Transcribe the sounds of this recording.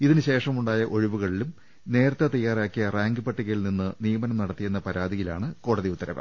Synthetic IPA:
iðinɨɕe̞ːʂɐmuɳɖaːjɐʔo̞ɻiʋuɣɐɭilum | ne̞ːɾɐt̪ːɐt̪ɐjːaːraːkːijɐraːŋɡɨpɐʈːiɣɐjilninːɨnijɐmɐnɐmnɐɽɐt̪ːijenːɐpɐɾaːd̪ijilaːɳɨko̞ːɽɐðiut̪ːɐɾɐʋɐ̰

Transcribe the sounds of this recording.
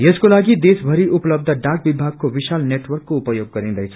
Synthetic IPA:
jeskolaːɡid̪eːsbʱəɾiʔʊpləb̚d̪ʱəɖaːk̚ʋɪbʱaːɡ̚koʋɪʃaːlneːʈʋəɾkːoʊpəjoːɡ̚kəɾĩnd̪ejt͡ʃʰ

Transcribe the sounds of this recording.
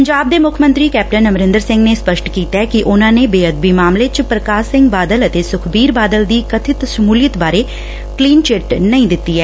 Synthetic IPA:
pəɲd͡ʒaːb̚d̪eːmʊkʰmə̃nt̪ɾiːkɛːp̚ʈənəmɾɪ̃nd̪əɾsɪ̃ŋɡneːspəʃʈkiːt̪aɛkiʔʊnãːneːbeːəd̪̚biːmaːmlet͡ʃpɾəkaːsɪ̃ŋɡbaːd̪ələt̪eːsʊkʰbiːɾbaːd̪əld̪iːkət̪ʰɪt̪səmuːlijət̪baːɾeː | kliːnt͡ʃɪʈnəĩːd̪ɪt̪ːiːɦɛː

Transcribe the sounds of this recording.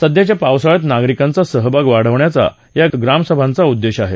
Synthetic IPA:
səd̪jat͡ɕjapawsaɭət̪naɡɾikãnt͡sasəɦbʱaɡʋaɽ̤əʋɳjat͡sa̰ | jaɡɾamsəbʱant͡saud̪ːeɕaɦe

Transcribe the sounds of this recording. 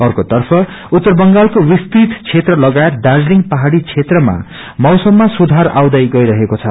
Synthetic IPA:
ʌrkot̪ʌrpʰʌ | ut̪ːʌrbʌŋɡalkowist̪it̪t͡sʰet̪rʌlʌɡaet̪̚dad͡zliŋpaɦaɽit͡sʰet̪rʌma̰ | mʌwsʌmːasud̪ʱara̰wd̪ajɡʌjɾʌɦekot͡sʰʌ̰

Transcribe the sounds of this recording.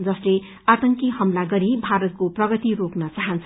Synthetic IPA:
d͡zʌsle | at̪ʌŋkihʌmlaɡʌɾibʱaɾʌt̪̚koprʌɡʌt̪iɾoknʌt͡saɦʌnt͡sʰ

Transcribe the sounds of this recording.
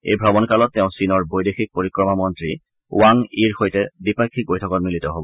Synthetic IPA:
ḛjbʱɹɔbɔnkalɔtːɛʊ̃sinɔɹbojdexik̚poɹikɹɔmamɔntɹḭ | waŋiɹxojtɛdipakʰːik̚bojtʰɔkɔtmilitɔɦobɔ

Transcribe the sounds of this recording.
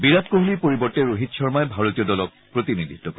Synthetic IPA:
biɹap̚koɦulipoɹibɔtɛɹoɦitʃɔɹmaɛbʱaɹotijɔdɔlɔk̚pɹot̪inidʱit̪ːɔko

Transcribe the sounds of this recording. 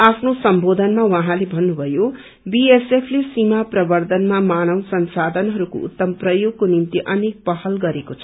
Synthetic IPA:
apʰnosʌmbod̪ʱʌnmawʌɦãlebʱʌnːubʱʌjo | biesepʰlesimaprʌbʌrd̪ʱʌnmamanʌwsʌnsad̪ʱʌnɦʌɾuko̰ṵt̪ːʌmprʌjoɡ̚konimt̪iʔʌnek̚pʌɦʌlɡʌɾekot͡sʰʌ̥

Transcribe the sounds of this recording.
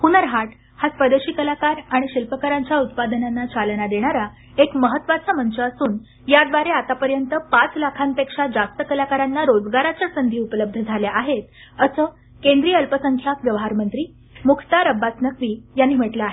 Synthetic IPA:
hunəɾɦaʈ | hasʋəd̪eɕiːkəlakaɾaɽ̃iɕilpəkəɾaɲt͡ɕjaut̪̚pad̪ənanːat͡salənad̪eɽ̃aɾa | ekməɦət̪ːʋat͡samənt͡ɕəːsuːn | jad̪ʋaɾeat̪apəɾjənt̪əpat͡slakʰanpekʂad͡zast̪əkəlakaɾanːaɾod͡zɡaɾat͡ɕjasənd̪ʱiːupələb̚d̪ʱəd͡zʱaljaʔaɦet̪̚ | əsəː | kend̪ɾiːəlpəsəŋkʰjakʋjəʋɦaɾmənt̪ɾiː | mukʰt̪aɾəbːat͡snəkʋiːjanːiːm̤əʈləaɦe

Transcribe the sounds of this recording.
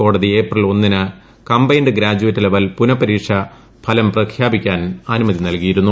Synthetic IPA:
o̞ːɽɐðieːprɐlo̞nːinɨ | kɐmbɐjnɖɨɡɾaːd͡ʑuʋɐtːɨleʋɐlpunɐpːɐɾiːkʂɐ | pʰɐlɐmprɐkʰjaːbikʲːaːnaːnumɐðinɐlkijiɾunːu

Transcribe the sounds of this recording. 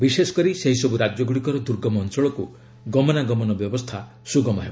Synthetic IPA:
bisesɔ̥kɔɾiseɦisɔbuɾad͡ʒjɔɡuɽikɔɾɔd̪uɾɡɔmɔːnsɔɭɔku | ɡɔmɔnaɡɔmɔnɔbjɔbɔst̪ʰa | suɡɔmɔɦebɔ

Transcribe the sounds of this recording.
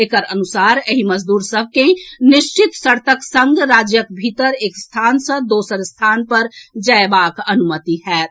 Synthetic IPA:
eːkəɾənʊsaːɾəɦiməd͡ʒd̪uːɾsəb̚ʱkenɪʃt͡ʃɪt̪səɾt̪əksə̃ŋɡɾaːd͡ʒjəkbʱit̪əɾeːkst̪ʰaːnsə̃d̪oːsəɾst̪ʰaːnpəɾd͡ʒəebaːkɐnʊmət̪iɦɛːt̪

